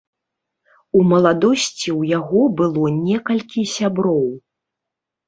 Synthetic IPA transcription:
umɐlˠad̪ɔsʲt͡sʲiwjaɣɔbɨlˠɔnʲɛkɐlʲkʲisʲabɾɔw

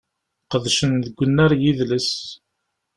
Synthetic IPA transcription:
qəðʃənðəɡʷːənːæɾjiðləs

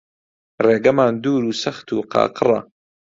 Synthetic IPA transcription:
reːɡɐmaːnd̪uːɾuːsɐxt̪ʰṵːqɑ̰ːqɨrˤɐ̰

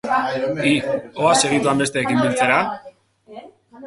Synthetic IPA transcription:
ioase̞ɣ̞it̪uambe̞st̪e̞ːkimbilt͡se̞ɾa

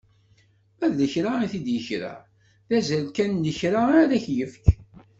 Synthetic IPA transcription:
æðləçɾaiθid̪jəçɾa̰ | θæzælkænːəçɾaaɾæçjəfk

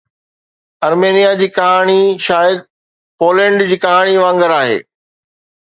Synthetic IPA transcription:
ɐɾmeːnijad͡ʑiːkɐɦaːɽ̃iʃaːjəd̪̚ | poːlɛ̃ːɳɖd͡ʑiːkɐɦaːɽ̃iʋãːŋɡəɾaːɦḛː

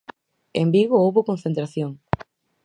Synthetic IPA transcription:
embiɣoowβokonθent̪ɾaθjoŋ

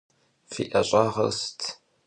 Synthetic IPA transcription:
fiʔɐɕʼɑːʁɐ̰stʰ

